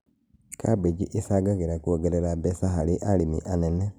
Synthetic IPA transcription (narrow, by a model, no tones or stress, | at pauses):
kʰa̰bed͡ʒiʔesaɡaɣeɾakuoɡɛɾɛɾabɛsaɦaliʔalimḭʔanɛnɛ